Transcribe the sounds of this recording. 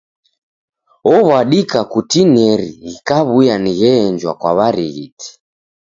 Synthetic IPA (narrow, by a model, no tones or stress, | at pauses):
ɔβwaɗikakutinɛɾiːkaβujaniɣɛɛɲd͡ʒwakwaβaɾiɣiti̥